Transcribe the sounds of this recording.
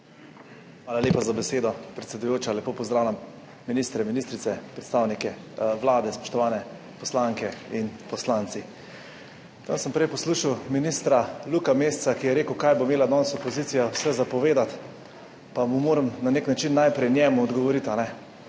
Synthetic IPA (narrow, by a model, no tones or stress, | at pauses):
xʋaːlaljeːpazabɛseːd̪ɔpɾɛt̪sɛd̪ujoːt͡ʃalɛpoːpɔzd̪ɾaːwlʲamː | iniːst̪ɾɛminist̪ɾit̪sɛpɾɛt̪st̪aːwnikɛʋlaːd̪ɛspɔ̥ʃt̪ɔʋaːnɛ | pɔslaŋkɛinpɔslant̪si | t̪ə̰nsəmpɾɛjpɔsluːʃawminist̪ɾalukamest̪sakijɛɾeːkəwkajbomeːlad̪nɔːnsɔpɔziːt̪sijawsɛzapɔʋeːd̪at̪ | pamumoːɾəmnaneknat͡ʃinːajpɾɛjnjɛːmuɔd̪ɡɔʋɔɾit̪anɛ